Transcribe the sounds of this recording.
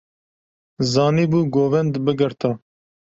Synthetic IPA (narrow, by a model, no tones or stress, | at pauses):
zɑːniːbuːɡoːvɛnd̪bɨɡɨɾt̪ɑ